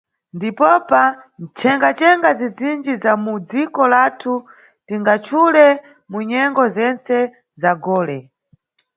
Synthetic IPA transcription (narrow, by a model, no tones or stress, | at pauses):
ndipɔpant͡ʃʰɛŋɡat͡ʃɛŋɡazid͡zind͡ʒizamud͡zikɔlatʰu | tiŋɡat͡ʃʰulɛ | muɲɛŋɡɔzɛnt͡sɛ | zaɡɔːlɛ